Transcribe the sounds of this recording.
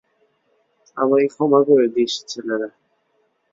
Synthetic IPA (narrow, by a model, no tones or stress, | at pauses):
a̰maikʰɔmakoɾed̪iʃi̥t͡ɕʰelena